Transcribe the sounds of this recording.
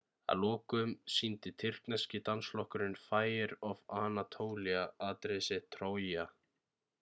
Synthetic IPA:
a̰ðlɔːkʏmsint̪ɪt̪ʰɪr̥knascɪt̪ansflɔhkʏɾɪnfaːjɪɾɔvaːnat̪ʰoːwliaaːt̪ɾesɪt̪ʰɾoːwja

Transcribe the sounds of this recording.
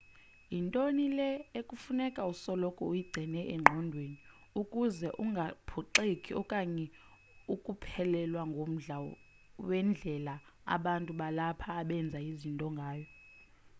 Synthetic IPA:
intʼonilɛekʼufunɛkʼausɔlɔkʼɔujiɡ͡ǀʱɛnɛʔɛŋ͡ǃʱɔndʱweni | ukʼuzɛʔuŋɡʱapʰuǃekʼiɔkʼaɲɛ | ukʼupʰɛlɛlwaŋɡʱom̩ɮa | wɛnd͡ɮʱɛlaa̰ɓantʼuɓalapʰaːɓɛnd͡zʱaizintʼɔŋɡʱaːjɔ

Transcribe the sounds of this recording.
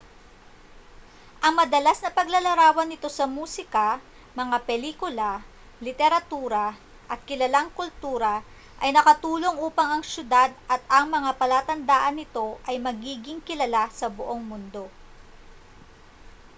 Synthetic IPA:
ʔɐŋmɐd̪ɐlasnɐpɐɡlɐlɐɾaːwɐnːɪt̪o̞sɐmuːsɪkɐ | mɐŋapɛliːkʊlɐ | lɪt̪ɛɾɐt̪uːɾɐ | ʔɐt̪̚kɪlɐlaŋkʊlt̪uːɾɐ | ʔɐjnɐkɐt̪uːlo̞ŋʔuːpɐŋɐŋʃjʊd̪ad̪̚ʔɐt̪̚ɐŋmɐŋapɐlaːt̪ɐnd̪aːʔɐnːɪt̪o̞ʔɐjmɐɡiːɡɪŋkɪlɐlasɐbʊʔo̞ŋmʊnd̪o̞

